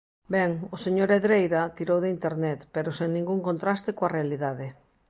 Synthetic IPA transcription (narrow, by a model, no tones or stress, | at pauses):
bɛŋoseɲoɾeðɾejɾat̪iɾowðeint̪eɾnɛt̪peɾoseŋnĩŋɡuŋkont̪ɾast̪ekoarealiðaðe